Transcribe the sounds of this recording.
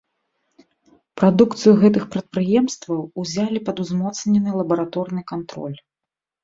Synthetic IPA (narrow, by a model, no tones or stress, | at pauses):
pɾad̪ukt̪sɨjuɣɛt̪̬ɨxpɾɐt̪̚pɾɨjɛmst̪vɐwuzʲalʲipɐd̪uzmɔt̪snʲɛnɨlˠɐbɐɾat̪ɔrnɨkant̪ɾɔ̰lʲ